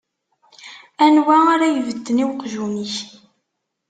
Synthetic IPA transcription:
ænwæaɾajvəd̪ːəniwqʒuniç

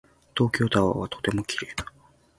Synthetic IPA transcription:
t̪o̞ːkʲo̞ːt̪aa̰βat̪ot̪e̞mo̞kʲi̥ɾe̞ːd̪̥ḁ

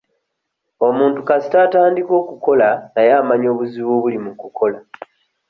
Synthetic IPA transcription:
o̞muːntukasi̥taːtaːndiko̞ːkuko̞lanajamaɲo̞ːβuziβoːβulimukukʰo̞la

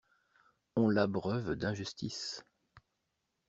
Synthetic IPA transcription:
ɔ̃labʁœvd̪ɛ̃ʒyst̪is

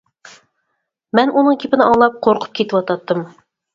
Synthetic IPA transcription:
mɛnʔunɨŋkʲʰepɪnɪʔɑŋlˠɑp̚qʰoɾqʰʊ̥p̚kʲʰet̪ɪwɑt̪ɑt̪ːɨm

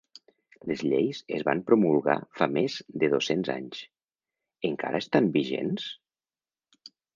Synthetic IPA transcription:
ləzʎejsəzβampɾomulˠɣa̰famezd̪əðosenza̰ɲs | əŋka̰ɾəest̪ambiʒḛns

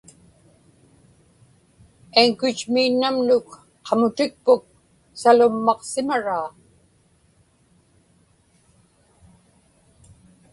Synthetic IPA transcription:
eŋkʊt͡ʃmiːnːamnʊk | qʰɑmʊt̪ɪk̚pʊk̚ | salʊmːɑqsɪmaɻaː

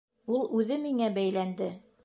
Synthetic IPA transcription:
ulˠʉðɘmiŋæbæjlænd̪ɘ

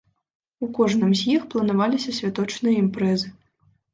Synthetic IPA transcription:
ukɔʐnɨmzʲjixplˠɐnavalʲisʲɐsʲvʲat̪ɔt͡ʂnɨjɐimpɾɛzɨ

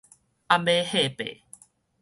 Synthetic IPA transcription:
amehepḛ

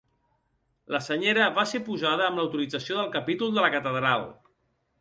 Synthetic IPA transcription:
ləsəɲeɾəβasepuzaðəːmləwt̪uɾid͡zəsioðəlˠkəpit̪ulˠd̪ələkət̪əðɾalˠ

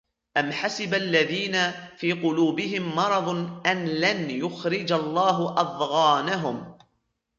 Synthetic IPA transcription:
ʔamħasɪbalːaðiːnafiːqʊluːbɪɦɪmːɑɾˤɑðˤʔanlanjʊxɾɪd͡ʒalˤːɑːɦʊʔɑðˤɣɑːnaɦʊm

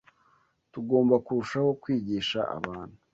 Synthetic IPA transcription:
tuɡo̞ːmbakuɾuʃaho̞kwiːɟiːʃa̰a̰βaːn̥hu

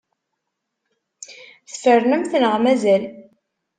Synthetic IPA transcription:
θə̥fərnəmθnəʁmæzæl

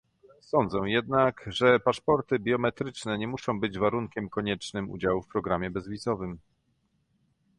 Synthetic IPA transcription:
sɔnd̪zɛ̃jɛd̪nakʐɛpaʂpɔɾt̪ɘbʲjɔmɛt̪ɾɘt͡ʂnɛɲɛmuʂɔ̃w̃bɘd͡ʑvaɾuŋkʲɛmkɔɲɛt͡ʂnɘmṵd͡ʑawufpɾɔɡɾamʲjɛbɛzvʲizɔvɘm

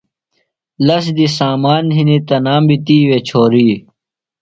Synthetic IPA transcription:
lɐs̬d̪isaːmaːnɦinit̪ɐnaːmbit̪iːwet͡ɕʰoːɾiː

